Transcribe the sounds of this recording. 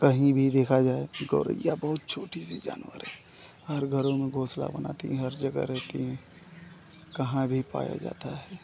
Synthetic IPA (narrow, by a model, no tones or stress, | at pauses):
kɐɦĩbʱid̪eːkʰad͡ʒaːeɡoːɾə̰jabəɦʊt̪̚t͡ʃʰoːʈisid͡ʒa̰ːnwəɾɦɛ̃ | hɐɾɡʱəɾõmẽɡʱoːsla̰bəna̰ːt̪ĩɦəɾd͡ʒəɡə̰ɾɛk̪ĩ | kɐɦãbʱipa̰ːja̰d͡ʒa̰ːt̪aɦɛː